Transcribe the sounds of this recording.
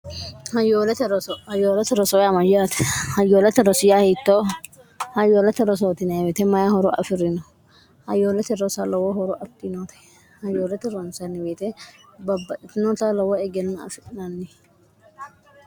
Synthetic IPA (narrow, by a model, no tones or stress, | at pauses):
hɐjoːlɛt̪ɛɾɔsɔhɐjoːlɐt̪ɛɾɔsɔjamɐjat̪ɛ̥hɐjːoːlɛt̪ɛɾɔsɪjahɛt̪ːoː | hɐjoːlɐt̪ːɛɾɔs̬oːt̪ɪnɐbet̪ɛmɐjahɔɾɔʔɐ̰fɪɾɪnɔ | hɐjoːlɛt̪ɛɾɔsalɔwɔɦɔɾɔʔɐt̪ːinot̪ɛ̥ | hɐjoːlɛt̪ɛɾɔnsɐnɪbeːt̪ɛ | bɐbːɐʔɪt̪ɪnɔt̪alɔwɔɛɡɛnːʊɐ̰fɪtɪnɐnːɪ